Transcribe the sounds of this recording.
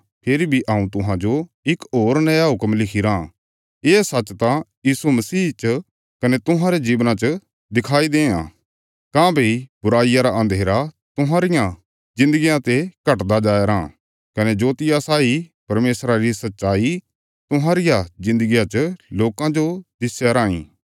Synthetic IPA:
pʰeɾibʱiʔaːũt̪ʊɦãd͡ʒo | ɪkoːɾnɐjaɦʊkəmlɪkʰiɾã | eːsɐt͡ʃt̪ãjiːsumɐsiːt͡ʃ | kɐnet̪ʊɦãɾed͡ʒiːʋnãt͡ʃə | d̪ɪkʰaːid̪ẽːã̰ | kãːbʱiibʊɾaːijaɾaʔɐ̃nd̪ʱeːɾa | t̪ʊɦãːɾɪjã | zɪ̃nd̪əɡijãt̪ekɐʈd̪ad͡ʒaːɾãː | kɐned͡ʒoːt̪ɪjasaːipɐɾmeːsɾaɾisɐtːʃaːi | t̪ʊɦãːɾɪjazɪ̃nd̪əɡijãt͡ʃloːkãd͡ʒod̪ɪsjaɾaːḭ̃ː

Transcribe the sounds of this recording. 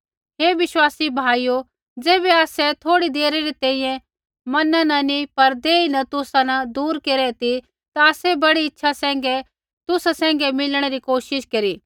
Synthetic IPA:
ɦeːʋɪʃwaːsibʱaːijo | d͡zeːβɛaːsɛt̪ʰoːɽid̪eːɾeɾit̪ɛ̃ːĩjɛ̃ | mɐnanɐnipɐɾd̪eːinɐt̪ʊsãnɐd̪uːɾkeːɾɛt̪i | t̪aːsɛbɐɽiɪtːʃʰasɛ̃ːŋɡɛ | t̪ʊsasɛ̃ːŋɡɛmɪlɽ̃eɾikoːʃɪʃkɐɾiː

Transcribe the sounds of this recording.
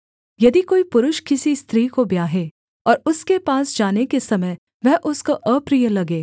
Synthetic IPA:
jɐd̪ikoːipʊɾʊʃkɪsist̪ʰɾiːkobjaːɦeː | ɔːɾʊskepaːsd͡ʒaːnekesɐməj | ʋɛɦʔʊskoʔəpɾijəlɐɡẽː

